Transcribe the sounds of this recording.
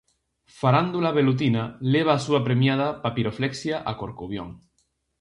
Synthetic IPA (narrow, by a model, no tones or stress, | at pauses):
faɾand̪ulaβ̞elut̪̬inaleβ̞aːsuapɾemjað̞apapiɾofleksjaʔakoɾkuβjo̰ŋ